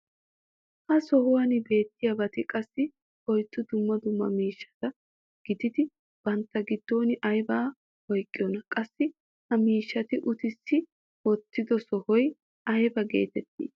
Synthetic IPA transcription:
hɐsɔhʊwɐnɪbe̞ːt̪ːɪjɐbɐt̪ɪkʼɐsːɪ | hɔjt̪ːʊd̪ʊmːɐd̪ʊmːɐ̰miːʃːɐ̥t̪ɐ | ɡ̥ɪd̪ɪd̪ɪ | b̥ɐnt̪ːɐɡɪd̪ːo̞ːnɪʔɐjbaː | wɔjkʼːɪjɔnɐkʼɐsːɪ | hɐmiːʃːɐt̪ɪʔʊt̪ɪsːɪ | wɔt̪ːɪd̪ɔsɔhɔj | ʔɐjbɐɡḛːt̪ɛt̪ːḭːs

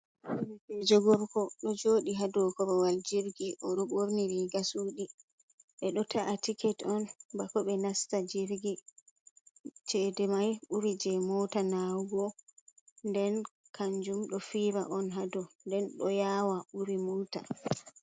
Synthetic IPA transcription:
nkɛd͡ʒɔɡɔɾkɔɗɔd͡ʒoːɗiɦadɔkɔɾɔwald͡ʒiɾɡiʔɔɗɔɓoɾniɾiɡasuɗi | ɓɛɗɔtʰaʔatikɛtɔnbakɔɓɛnastad͡ʒiɾɡi | t͡ʃɛdɛmajɓuɾid͡ʒɛmɔtanawɡɔ | ndɛn | kʰaɲd͡ʒumɗɔfiːɾa̰ʔɔnɦadɔndɛnɗɔjawaɓuɾimɔːta̰

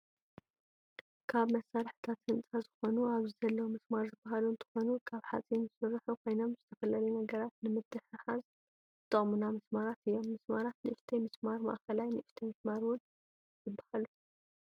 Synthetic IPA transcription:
kʰaβmɐsːaɾɨħɨt̪ʰat̪hɨnt͡sʼazɨxo̞nuaβzizɐlːɐwumɨsmaɾzɨbːaɦalunt̪ʰɨ̥xo̞nukʰaβħa̰t͡sʼinzɨsɨrːħukʰo̞jno̞mzɨt̪ʰɐfɐlɐlɐjunɐɡɐɾat̪nɨmɨt̪ːɨħɨħaz | t̪ʰʼːɨχʼmunamɨsmaɾat̪ɨjːo̞mːɨsmaɾat̪nɨʔɨʃt̪ʰemɨsmaɾma̰ʔkɐlajnɨʔɨʃt̪ʰemɨsmaɾwʊn | zɨbːḁhalu

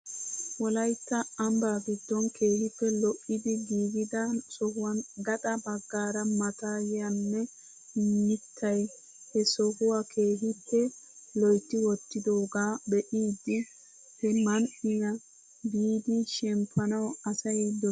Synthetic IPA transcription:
wɔlɐjt̪ːɐɐmbaːɡɪd̪ːɔnkʰe̞ːhɪpːɛlɔʔːɪd̪ɪɡiːɡɪd̪ɐsɔhʊwɐnɡɐt̪ɐbɐɡːaːɾɐmɐt̪aːjɪjɐnːɛ | nɪt̪ʰːɐj | hɛsɔhʊwakʰeːɦɪpːɛ | lɔjt̪ːɪwɔt̪ːɪd̪oːɡaːbɛʔiːd̪ɪ | hɛmɐnʔɪjɐ | biːd̪ɪʃɛmpʰːɐnɐwɐsɐjd̪ɔ

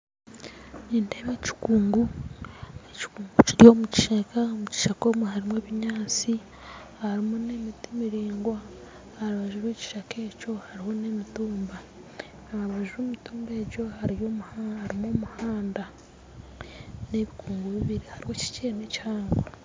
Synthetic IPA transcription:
niːndemeci̥kuːŋɡu | eci̥kuːŋɡuciɾjo̞ːmuci̥ʃekamuci̥ʃako̞ːmuɦaɾimweːβiɲaːt͡si | haɾimune̞mitimiɾiːŋɡwaː | ɾaβaʒuɾeːci̥ʃake̞ːco̞haɾiho̞ne̞mituːmba | aaβaʒuβomituːmbe̞ːɟo̞haɾijo̞maɾimoːmuhaːnda | ne̞βikuːŋɡuβiβiɾihaɾiho̞ci̥ceːnecihaːŋɡwa

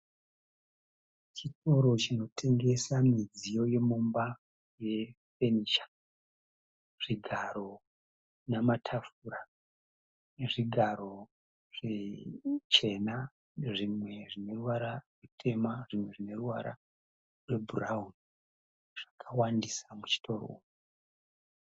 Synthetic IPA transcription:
t͡ʃito̞ɾo̞t͡ʃino̞tʰe̞ŋɡe̞samid͡zijo̞je̞mumba | je̞ | fe̞niːʃḁ | ʐ̥iɡʱaɾo̞ | namatʰafuɾa | ʐiɡʱaɾo̞ | ʐ̥e | t͡ʃe̞na | ʐimwe̞ʐine̞ruwaɾarwutʰe̞maʐimwe̞ʐine̞ruwaɾa̰ | rwe̞bʱuraun | ʐ̥akʰawandisamut͡ʃi̥tʰo̞ro̰umu

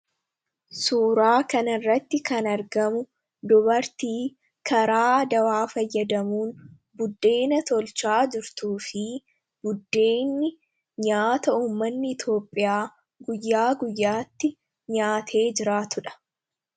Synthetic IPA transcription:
suːɾaːkɐnɐɪrːɐt̪ːɪkɐnɐɾɡɐmʊ | d̪ʊbɐɾt̪iː | kʰɐɾaːd̪ɐwaːfɐjːɐd̪ɐmuːn | bʊd̪ːe̞ːnɐt̪ɔlt͡ʃaːd͡ʒɪɾt̪uːfɪ | b̥ʊd̪ːe̞ːnːɪ | ɲaːt̪ɐuːmːɐnːɪɪt̪jo̞ːpʼːɪjaː | ɡʊjːaːɡʊjːaːt̪ːɪ | ɲaːt̪ʰe̞ːd͡ʒɪɾaːt̪ʊᶑɐ̥

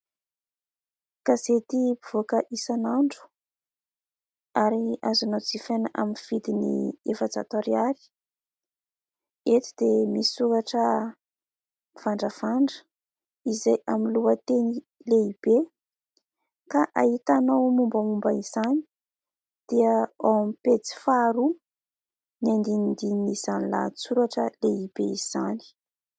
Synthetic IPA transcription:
kazet̪ibivokəʔisanaɳɖ͡ʐu̥ | aɾiazanod͡zifenaʔa̰minv̥id̪inḭefəd͡za̰t̪oɾiaɾi̥ | et̪i̥d̪̥emisi̥sukaʈ͡ʂə | v̥aɳɖ͡ʐəv̥aɳɖ͡ʐə̥ | izajaminluət̪eni | leib̥e | kaʔait̪anowmumbamumbaiz̥ani̥ | d̪̥iəawamipet͡si̥faɾu | niand̪inind̪ininiz̥anila̰t͡suɾaʈ͡ʂəleib̥eiz̥ani̥

